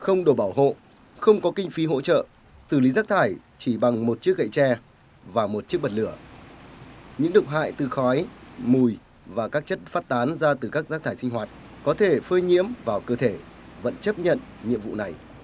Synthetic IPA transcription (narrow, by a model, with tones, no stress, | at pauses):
xə˧wŋ͡mɗo˨˧˩ɓaː˧˩wɦo̰˧˨ | xə˧wŋ͡mkɔ˨˦kï˧ŋ̟fi˨˦ɦo̰˧˥t͡ɕə̰ː˧˨ | sɨ˧˩li˨˦zaː˦˥k̚t̪ʰaː˧˩jt͡ɕi˧˩ɓa˨˩ŋmo˨˩t̚t͡ɕi˦˥ək̚ɣə̰˧˨jt͡ɕɛ˧ | vaː˨˩mo˨˩t̚t͡ɕi˦˥ək̚ɓə˨˩t̚lɨ˧˩ə | ɲɨ̰˧˥ŋɗɨ˨˩ək̚ɦa̰ː˧˨jt̪ɨ˨˩xɔ˨˦jmu˨˩j | vaː˨˩kaː˦˥k̚t͡ɕə˦˥t̚faː˦˥t̚t̪aː˨˦nzaː˧t̪ɨ˨˩kaː˦˥k̚zaː˦˥t̪ʰaː˧˩jsï˧ŋ̟ɦwaː˨˩t̚ | kɔ˨˦t̪ʰe˧˩fəː˧jɲḭ˧˥əmvaː˨˩wkəː˧t̪ʰe˧˩ | və̰˧˥nt͡ɕə˦˥p̚ɲə̰˧˨n | ɲḭ˧˨əmvṵ˧˨na˨˩j